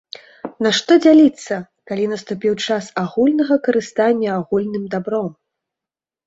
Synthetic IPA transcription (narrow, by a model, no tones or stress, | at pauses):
naʂt̪ɔd͡zʲalʲit̪sːɐ | kalʲinɐst̪upʲiwt͡ʂasaɣulʲnɐɣɐkɐɾɨst̪anʲːɐaɣulʲnɨmd̪abɾɔm